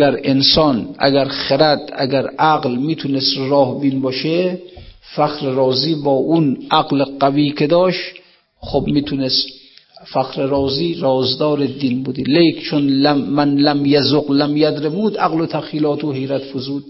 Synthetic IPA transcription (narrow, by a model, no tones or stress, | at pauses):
ɡæɾensɒːnʔæ̰ɡæɾχeɾæd̪æ̰ɡæɾæɡlmiːt̪ʰunest̪ɾɒːhbiːnbɒːʃe | fæxɾeɾɒːziːbɒːʔunʔaɡleqæviːkʰed̪ɒːʃ | χobmiːt̪ʰunest̪fæxɾeɾɒːziːɾɒːzd̪ɒːɾed̪iːnbud̪ilejkt͡ʃʰonlæmænlæmjazoqlæmjæd̪ɾebuːd̪æɣlot̪ʰæxiːlɒːt̪ʰohejɾæt̪fozuːd̪̥